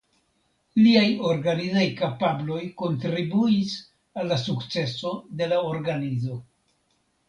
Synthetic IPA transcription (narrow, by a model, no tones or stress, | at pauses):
liajo̞ɾɡanizajkapablo̞jko̞ntɾibuis | alːasukt͡se̞so̞de̞lao̞ɾɡanizo̞